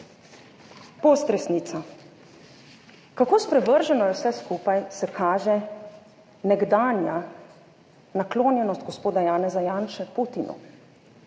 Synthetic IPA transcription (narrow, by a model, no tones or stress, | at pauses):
poːst̪ɾɛsniːt̪sa | kakoːspɾɛʋəɾʒɛnɔjɛwsɛskuːpajsɛkʰaːʒɛ | nɛɡd̪aːnja | nakloːnjɛnɔst̪̚ɡɔspoːd̪ajaːnɛzajaːnʃɛput̪inʔṵ